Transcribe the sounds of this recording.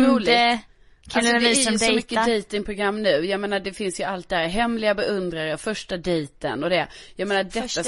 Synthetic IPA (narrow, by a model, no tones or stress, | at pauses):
ɾuːlɪ | kʰasɔvɪɪsɔmʏkːəd̪ɛjt̪ɪŋpʰɾʊɡɾamːnʉ̟ːjameːnaɖɛfɪnsjɵalt̪̚d̪ɛhæːɾɦɛmlɪɡabɛʔɵnd̪ɾaɾəfœʂʈad̪ɛjt̪ə̰nɔd̪ɛ | jameːnadɛt̪ːa